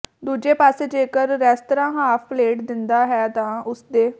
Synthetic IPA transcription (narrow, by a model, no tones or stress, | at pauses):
d̪uːd͡ʒeːpaːseːd͡ʒeːkəɾːɛːst̪əɾãːɦaːpʰpleːʈd̪ɪnd̪aːɦɛːt̪ãːʊsd̪eː